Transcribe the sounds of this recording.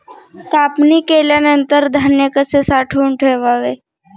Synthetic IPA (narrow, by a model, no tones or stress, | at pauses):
k̪apnikeljaneənt̪əɾd̪ʱanjəkəsesaʈʰuɳʈʰeʋaʋe